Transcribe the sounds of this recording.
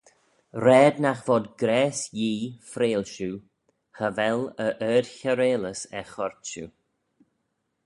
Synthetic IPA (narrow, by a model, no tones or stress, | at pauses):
ɾɛːd̪naxvɔd̪ɡɾɛːsjiːfɾeːlʃu | həvɛləʔɛːd̥çəɾeːləsɛxɔɹt͡ʃṵ